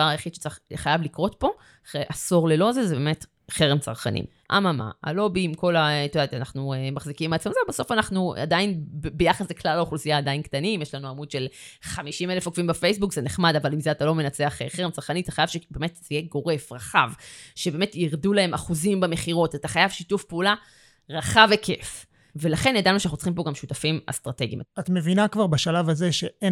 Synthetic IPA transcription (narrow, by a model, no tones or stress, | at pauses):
vaʁajaχid̪ʃe̥t͡saχχajavlikʁo̞tpo̞ | χeʔaso̞ʁle̞lo̞zezebeːme̞t | χeʁemt͡sa̰ʁχa̰nḭm | ʔa̰mama̰a̰lo̞bimko̞laet̪odat̪anaχnuemaχzikimat͡somazebaso̞fanaχnua̰dainbejaχaszeklalaoχlusijaːd̪ainkt̪animjeʃlanuamud̥̪ʃe̞lχamiʃimelefokvimbefejsbukzeneχmadavalimzeat̪alo̞menat͡seaχeχeʁemt͡saʁkaniat̪ḁχajavʃebe̞me̞tzjeɡo̞ʁe̞fʁaχavʃebe̞ːme̞tjiʁdulahe̞maχuzimbame̞χiʁo̞tataχajavʃitufpeula | ʁaχavekʰe̞̰f | ve̞laχe̞njad̪anuʃanaχnut͡sχimpo̞ɡamʃutafima̰st̪ʁate̞ɡḭmat̪mevinakvaʁbaʃalavazeʃee